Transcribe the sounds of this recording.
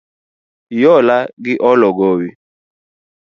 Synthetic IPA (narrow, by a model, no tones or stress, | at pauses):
jɔlaɡiʔɔlɔɡowi